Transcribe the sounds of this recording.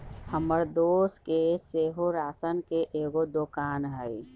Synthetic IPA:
həməɾd̪oːskeseːɦoɾaːsənkeʔeːɡod̪okaːnɦəi

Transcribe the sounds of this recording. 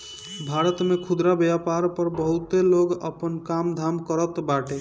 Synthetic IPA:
bʱaɾət̪mekʰud̪ɾabjapaɾpəɾbəɦut̪eloɡəpənkamd̪ʱamkəɾət̪baʈe

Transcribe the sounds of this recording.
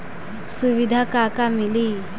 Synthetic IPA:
suʋid̪ʱakakamili

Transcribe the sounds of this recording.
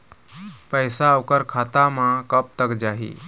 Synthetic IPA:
pəjsaːʋkəɾkʰat̪amãkəp̚t̪əkd͡ʒaɦḭː

